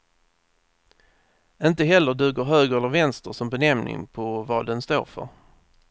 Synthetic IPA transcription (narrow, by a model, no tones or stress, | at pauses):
ɪnt̪əɦɛlːəɖʉ̟ːɡəɾɦøːɡəɾɛlːəɾvɛnst̪əʂɔmbɛnɛmnʔɪ̰ŋpʰɔvɑːd̪ɛnst̪o̰ːɾfœ̰ɾ